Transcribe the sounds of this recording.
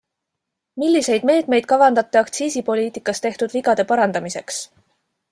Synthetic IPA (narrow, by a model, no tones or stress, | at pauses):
milːise̞jd̪̥me̞ːt̪me̞jd̪̥̚kɑvɑnd̪ɑt̪ːˑeɑkt̪siːsipo̞liːt̪ikːˑɑst̪e̞ht̪ud̪̥viɡɑd̪̥e̞pɑɾɑnd̪̥ɑmise̞ks